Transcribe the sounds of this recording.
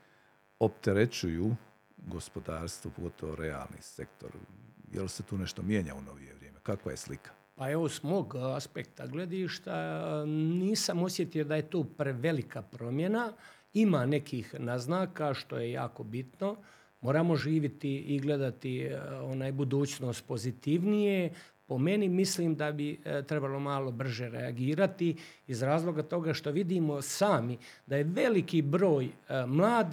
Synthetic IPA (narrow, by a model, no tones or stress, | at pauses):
opt̪eɾet͡ɕujuː | ɡo̞spo̞d̪aːɾst̪ʋopoɡo̞t̪ʰoʋoɾea̰ːlnḭːse̞k̚t̪o̞̰ɾjḛlset̪uːneʃt̪omjeːɲa̰uno̞ʋijeʋɾjeːmekakʋa̰je̞̰slikʰḁ | pae̞ʋosmoːɡaspek̚t̪aɡle̞d̪iʃt̪a | niːsamo̞sjet̪ijod̪aje̞t̪oːpɾeʋe̞likapɾo̞mjena | imaːne̞kiːxnaznaːkaːʃt̪o̞̰je̞ja̰ːko̞bit̪no̞ | moːɾaːmo̞ʒiːʋit̪iiɡle̞d̪at̪ionaːjbud̪uːt͡ɕno̞ːst̪̚po̞zit̪iʋnije̞po̞me̞nimisliːmd̪abit̪ɾebalo̞maːlˠo̞br̩ʒe̞ɾḛaɡiːɾat̪iizɾaːzlˠo̞ɡat̪o̞ɡaʃt̪o̞ʋid̪imo̞saːmi | d̪ajeʋe̞likibɾo̞ːjmlˠaːd̪